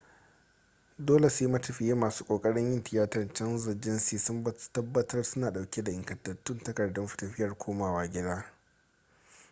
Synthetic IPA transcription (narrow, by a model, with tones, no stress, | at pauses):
doː˦le˨sʊ˦ji˦mɐ˦tɐ˨ɸɪ˨jeː˦maː˨su̥ː˦kʷʼoː˨kʼɐ˦ɽɪ˦ɲʔɪ˦ntɪ˨jaː˦tɐ˨nt͡ʃɐ˦nzɐ˨d͡ʒɪ˦nsiː˨sʊ˦m˦tɐ˦bːɐ˦tʰɐ˦rsʊ˦naː˨ɗa˨wkʲe˦da˨ʔɪ˨ŋkɐ˨tːɐ˨tːʊ˦ntɐ˦kɐ˨rdɔ˦mɸɪ̥˨tɐ˨ɸɪ˦jɐ˨rkʷʰoː˦maː˨waː˦ɡʲɪ˦daː˦